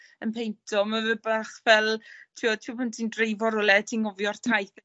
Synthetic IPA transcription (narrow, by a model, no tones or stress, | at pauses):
ənpʰejntʰɔmavəbaχvɛlˠtʰiɔtʰiwpʰʊntʰindrejvɔɾʊlˠɛtʰinɔvjɔr̥tʰajθ